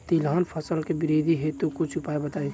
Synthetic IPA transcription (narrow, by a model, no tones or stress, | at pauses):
t̪ilɦaːnpʰəsəlkebɪɾid̪ʱiɦet̪okʊt͡ʃʰʊpaːebət̪aːe